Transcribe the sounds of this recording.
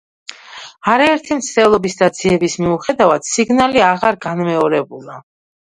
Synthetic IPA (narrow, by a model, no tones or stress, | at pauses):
aɾaɛɾt̪ʰimt̪sʰt̪ɛlˠɔbisd̪ad̪z̥iɛbismiuχɛd̪avad̪̥siɡnaliaʁaɾɡanmɛɔɾɛbulˠa